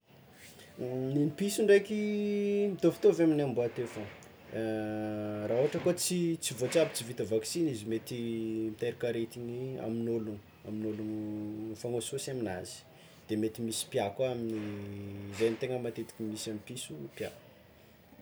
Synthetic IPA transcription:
ninipisuɳɖ͡ʐejkimit̪ofi̥t̪oveaminamboat̪efə | raɦuaʈ͡ʂəkot͡sit͡sivot͡sabi̥t͡sivit̪əvaksinizimet̪imt̪eɾikaɾet̪iɲia̰minolun | aminolunfaŋososaminaz̥i̥ | d̪̥emet̪imisi̥pjakaamini | zajamit̪eŋəmat̪et̪i̥kʲimisamipisupjak

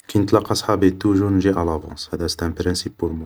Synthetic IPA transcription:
knət̪lɑqːɑsˤħɑbit̪ːuʒunʒiʔalɑvɑ̰̃shæd̪æst̪æmpɾənsipːuɾmu

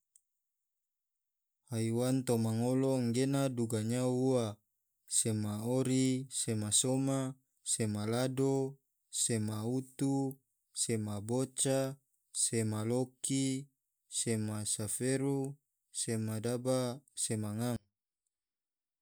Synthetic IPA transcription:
haiwant̪omaŋoloŋɡenaduɡaɲaua | semaoɾisemasoma | semalado | semaut̪u | semabot͡ʃa | semaloki | semasafeɾu | semadabasemaŋaŋ

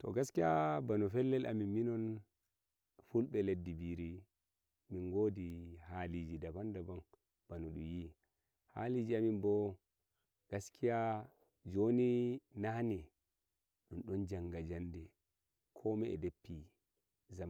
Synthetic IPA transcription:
tɔ̰ɡaskijabanɔfɛlːɛlʔa̰minminɔn | fulɓɛledːibiɾi | minɡoːdihalid͡ʒidabandaban | b̥anɔɗumji | ha̰lid͡ʒiaminbɔ | ɡ̥askʰija | d͡ʒoninahni | ɗumɗɔnd͡ʒaŋɡad͡ʒandɛ | kʰɔmɛɛ̰depːi | zama

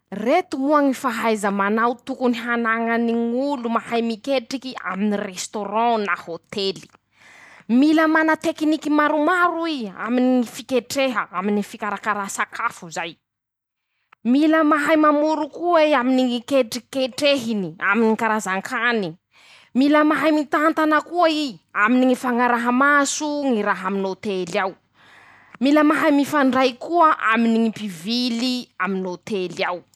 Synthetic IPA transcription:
ret̪umuaŋifaɦajzəmanawt̪ukuniɦanaŋəniŋulumahajmikeʈ͡ʂikia̰minirest̪oɾɔ̃nahot̪eli̥ | miləmanət̪eknikimaɾumaɾuia̰miniŋifikeʈ͡ʂeɦəaminifikaɾakaɾasakʰafuzaj | miləmaɦajmamuɾukuaiaminiŋikeʈ͡ʂikeʈ͡ʂeɦiniaminikaɾazaŋkʰani | miləmaɦajmit̪ant̪anəkuaiaminiŋifaŋaɾaɦəmasuŋiɾaɦaminot̪elaw | miləmaɦajmifaɳɖ͡ʐajkuəʔa̰miniŋipiviliaminot̪elaw

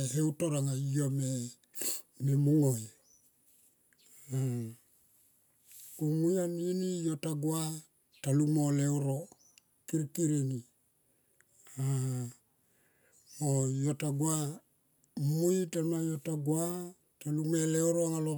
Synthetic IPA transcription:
ɦeutoɾaŋaiome | memuŋoj | a | kumujaninijotaɡwa | talumolewɾo | kiɾkiɾeni | a | mojotaɡwa | mujtamajotaɡwa | talumelewɾoŋalo

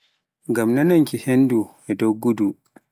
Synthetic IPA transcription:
ɡamnanaŋkihenduʔɛdowɡudu

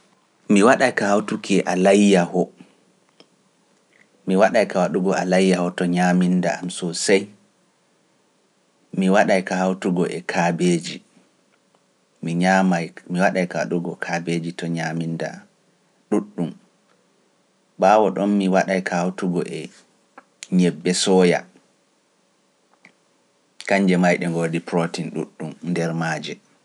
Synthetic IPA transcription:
miwaɗajkahawtukʰɛʔalajːahɔ | miwaɗajkawaɗuɡɔalajːahɔtɔɲaminda̰amsɔsaj | miwaɗajkahawtuɡɔʔɛ̰kʰabeːd͡ʒi | miɲamajmiwaɗajkaɗuɡɔkʰabed͡ʒitɔɲaminda̰ | ɗuɗːum | baːwɔɗɔnmiwaɗajkʰahawtuɡɔ̰ʔɛ | ɲɛbːɛsɔːja̰ | kaɲd͡ʒɛmajɗɛŋɡodipɾotinɗṵɗːumndɛɾmaːd͡ʒɛ

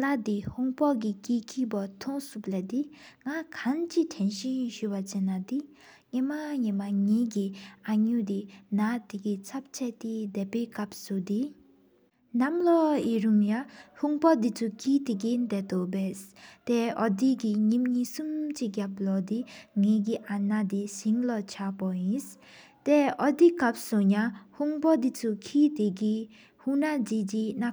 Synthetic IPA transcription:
lad̪ihuŋpɔʔk̬ikiːkʰiːpat̪ʰɔŋsuplɛd̪iŋakʰant͡ɕitʰɛnɕinɕywat͡ɕenːat̪i | ŋemaɲimaŋiːkiʔaɲuːt̪inat̪ikit͡sʰap̚t͡ɕʰɛʔt̪id̪ɛpeːkap̚sud̪i | namlɔiɹumjahuŋpɔd̪it͡sukʰit̪iɡind̪ɛt̪obɛst̪ɛɔdiɡiɲimɲisumt͡ʃiɡjaplɔd̪iŋeɡiʔanad̪isiŋlɔt͡ʃʰapɔĩs | t̪ɛɔd̪ikap̚soɲahuŋpɔd̪it͡sukʰit̪iɡi | hunadidina

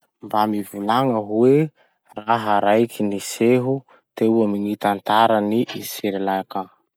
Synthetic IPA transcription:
mbamivilaŋəɦuwe | raɦaɾajkʰiniseɦu | t̪euamiŋit̪ant̪aɾaniʔiseɾelaka

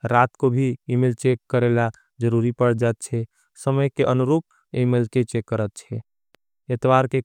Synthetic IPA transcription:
ɾat̪kobʱiimelt͡ʃekːəɾela | d͡ʒəɾuɾipəɽ̤d͡ʒat̪̚t͡ʃʰɛ | səməjkeʔənuɾuːp̚ | imelket͡ʃekːəɾət̪̚t͡ʃʰɛ | et̪ʋaɾke

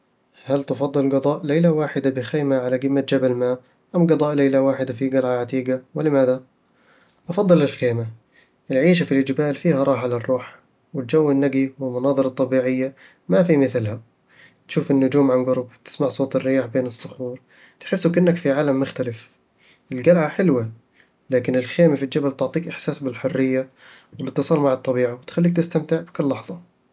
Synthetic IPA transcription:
halt̪ɪfɑd̪ˤːɨlɡɑd̪ˤɑːʔlejlawaːħɪd̪abɪxeːmaʕalaɡɪmːat̪̚d͡ʒabalmaː | ʔamɡɑd̪ˤɑːʔlejlawaːħɪd̪afiɡalʕaʕat̪iːɡawɪlɪmaːða | ʔɑfɑd̪ˤːɨlɪlxeːma | ʔɪlʕiːʃ̬afilʔɪd͡ʒbaːlfiːhaɾˤɑːħʕalɑrˤːuːħ | wɪt̪̚d͡ʒawːɪnːaɡiwɪlmɑnɑːðˤɨɾˤɑt̪ˤːɑbiːʕɪjːa | mafimɪθlɦa | t̪ʃuːfɪnːʊd͡ʒuːmʕanɡʊɾˤbt̪ɪ̥smaʕsˤoːt̪ˤɪrːɪjaːħbeːnɨsˤːʊxuːɾ | t̪ħɪsːʊkʔɪnːakfiʕaːlamːʊxt̪alɪf | ʔɪlɡalʕaħɪlwa | laːkɪnɪlxeːmafild͡ʒabalt̪ʊʕt̪ˤiːkʔɪħsaːsbɪlħʊrːɪjːa | wɪlɪt̪ːɨsˤɑːlmaʕɑt̪ˤːɑbiːʕawɪt̪xalːiːk̚t̪ɪst̪amt̪ɪʕbɪkʊlːɑħðˤɑ

